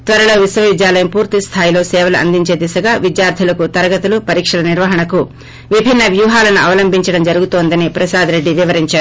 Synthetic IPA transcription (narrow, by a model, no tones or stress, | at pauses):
t̪ʋɐɾɐlo̞ːʋisʋɐʋid̪jaːlɐjɐmpuːɾt̪ist̪ʰaːjilo̞ːsɛːʋɐlɐʔɐ̰nd̪iɲt͡ʃe̞ːd̪isɐɡaːʋid̪jaːɾt̪ʰilɐkut̪ɐɾɐɡɐt̪ulupɐɾiːkʂɐlɐniɾʋɐɦɐɳɐku | ʋibʱinːɐʋjuːɦaːlɐnuʔɐʋɐlɐmbʱiɲt͡ʃɐɽɐmd͡ʒɐɾuɡut̪oːnd̪ɐnipɾɐsaːd̪ɾe̞ɖːiʋiʋɐɾiɲt͡ʃaːu